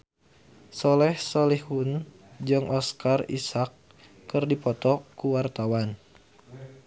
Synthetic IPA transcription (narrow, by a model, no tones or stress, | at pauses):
sɔlɛhsɔlihun | d͡ʒɨŋʔɔskarḭsakː | ɨrdipɔt̪ɔkuwart̪awan